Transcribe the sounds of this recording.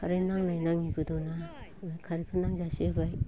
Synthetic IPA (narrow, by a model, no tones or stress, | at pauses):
kʰaɾinaŋnajnaŋibɯdɔnakʰaɾikʰɯnaŋzasibaj